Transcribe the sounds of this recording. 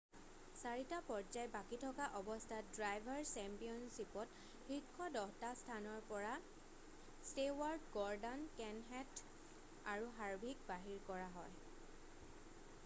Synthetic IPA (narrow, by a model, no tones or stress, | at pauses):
saɹitapɔɹd͡ʒajbakitʰɔkaʔɔbɔstʰadɹajbʱaɹsɛmpijɔnsipɔt | xikʰːɔdɔɦtastʰanɔɹpɔɹa | stewaɹdɡɔɹdankɛnɦɛt | aɹuɦaɹbʱik̚baɦiɹkɔɹaɦɔj